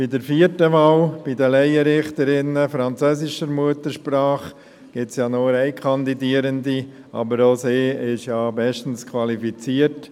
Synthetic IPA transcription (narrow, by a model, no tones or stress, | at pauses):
b̥idəɾfiːəɾtəʋɑːlb̥idəlɛɪəɾɪχt̪əɾɪnəfɾɑnt͡søːsɪʃəɾmuətəɾʃpɾɑːχ | ɡ̥ɪsjɑːnoɾɛɪkʰɑnd̪idiːəɾəndi | ʔɑ̰bəɾoseːɪʃjɑːbɛʃtən̩skʰwɑlifit͡siəɾt